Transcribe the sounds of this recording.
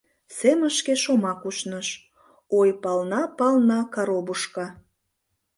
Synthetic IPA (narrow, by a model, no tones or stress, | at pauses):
seməʃkeʃomɑkuʃnəʃ | ojpɑlnɑpɑlnɑkɑɾobuʃkɑ